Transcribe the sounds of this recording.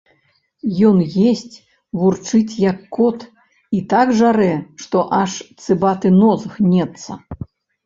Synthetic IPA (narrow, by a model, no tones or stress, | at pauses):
jɔnjesʲt͡sʲ | vurt͡ʂɨt͡sʲjɐkːɔt̪ | it̪aɡʐaɾɛʂt̪ɔʔaʂt̪sɨbat̪ɨnɔzɣnʲɛt̪sɐ̰